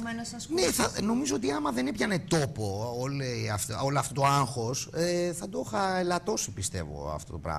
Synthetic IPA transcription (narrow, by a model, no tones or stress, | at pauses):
neθɐno̞mizoot̪iɐmɐðe̞nepçɐnet̪o̞po̞oleɐft̪olɐft̪o̞t̪oaŋxo̞seθɐd̪ooxɐelɐt̪o̞sipist̪e̞̰vo̰ɐ̰ft̪o̞t̪opɾɐ̰ɣ